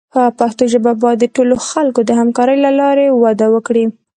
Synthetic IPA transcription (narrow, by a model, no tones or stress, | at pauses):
pəpaxt̪oʒəbabɑjad̪ːəʈoloxalkod̪əhamkɑɾəjlalɑɾewad̪awəkɽi